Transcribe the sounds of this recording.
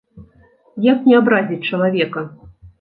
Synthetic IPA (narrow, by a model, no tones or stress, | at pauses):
jaknʲɛabɾazʲit͡sʲt͡ʂɐlˠavʲɛkɐ